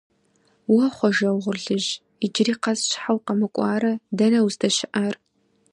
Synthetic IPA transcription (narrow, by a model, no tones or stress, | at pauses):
wɐχʷɔʒɐwʁʷʊrɮɨʒ | id͡ʒɪriːqɐzʃħawqɐmɨkʷʼɑːɾɐdɐnɐwstʰɐʃɪʔar